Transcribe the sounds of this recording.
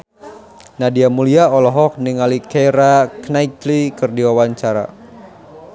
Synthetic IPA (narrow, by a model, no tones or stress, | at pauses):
nadiamuliaɔlɔɦɔk̚niŋalikeɾaknaiklikɨrdiwawaɲt͡ʃaɾa̰